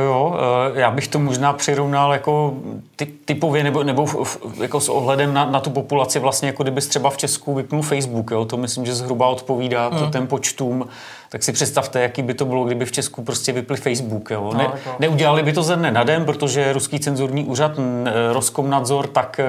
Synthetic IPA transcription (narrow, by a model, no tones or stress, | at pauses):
joːjaːbɪxt̪omoʒnaːpr̥ɪɾo̞vnaljako̞t̪ɪt̪ɪpo̞vjɛnɛbonɛbo̞jakosʔoɦlɛdɛmnanat̪upopulat͡sɪvlast̪ɲɛjakodɪbɪst̪r̥ɛbaft͡ʃɛskuvɪpnulfɛjzbukjoːt̪omɪslɪmʒɛzɦɾubaʔo̞t̪po̞viːdaːt̪ot̪ɛmpo̞t͡ʃt̪uːm | t̪aksɪpr̝̥ɛt̪st̪aft̪ɛjakiːbɪt̪o̞bɪloɡdɪbɪft͡ʃɛskupɾoscɛvɪplɪfɛjzbukjoːnɛnɛuɟɛlalɪbɪt̪ozɛdnɛnadɛnpɾot̪o̞ʒɛɾuskiːt͡sɛnzuɾɲiːʔuːr̝at̪ɾoskomnazo̞ɾt̪ak